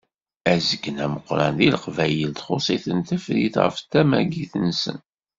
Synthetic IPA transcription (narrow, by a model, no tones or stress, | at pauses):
æzəɡnæməqːɾænðiləqvæjəlt̪χosˤiθənt̪əfɾiθʁə̰ft̪ːæmæɡiθənsə̰n